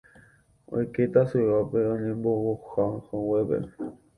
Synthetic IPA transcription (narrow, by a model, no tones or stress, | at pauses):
o̰jket̪asuwapeõɲẽmbohohahõwepḛ